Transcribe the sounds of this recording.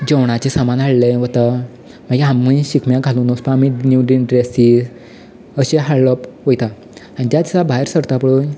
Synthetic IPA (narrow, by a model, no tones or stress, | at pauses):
d͡ʑɔwɽ̃at͡ɕesamanɦaɭləʋət̪a | maɡiãmːəɕikmjãɡʱaluːnospaaminuɖiɖɾesid͡z | əɕeɦaɽlɔpʋojt̪a | anid͡ʑ̪jat̪sabaɦeɾsəɾt̪apɭoj